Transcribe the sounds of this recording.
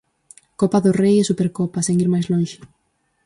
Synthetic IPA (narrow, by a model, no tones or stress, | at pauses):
kopaðʊrejesupeɾkopaseŋiɾmajzloŋʃɪ̥